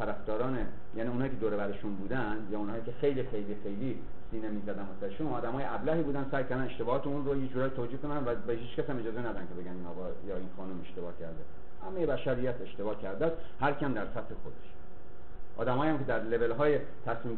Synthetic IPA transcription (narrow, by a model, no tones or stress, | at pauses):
t̪ʰæɾæfd̪ɒːɾɒːne | jæniːunɒːicʰd̪oːɾebæɾeʃunbuːd̪ænd̪jɒːunhɑːiːcʲexe̞jlixe̞jlixe̞jliː | siːnemiːzæd̪ænhosæɾeʃunɒːd̪æmɒːjeʔæblæhiːbuːd̪ænd̪sæjkʰæɾd̪æneʃt̪e̞bɒːt̪ʰeunrojed͡ʒuːɾɒːjit̪ʰod͡ʒiːhkonænd̪væbehiːt͡ʃkʲæsæmed͡ʒɒːzenæd̪æncʰebe̞ɡænd̪iːnhɒːɒːjɒːinxɒːnome̞̰ʃt̪e̞bɒːhcʰæɾd̪e | hæmejebæʃæɾijːæt̪e̞ʃt̪e̞bɒːhcʰæɾd̪æːst̪ | hæɾcʰiæmd̪æɾsæt̪he̞xo̞d̪eʃ | ʔɒ̰ːd̪æmɒːihæmcʰe̞d̪æɾle̞be̞lɦɒːje | t̪ʰæsmiːm